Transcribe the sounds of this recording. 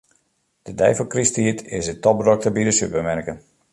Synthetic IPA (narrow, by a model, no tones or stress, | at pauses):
d̥ədɛ̰jfəlˠkristiətɪsətɔp̚rɔk̚təbidəsypəmɛrkən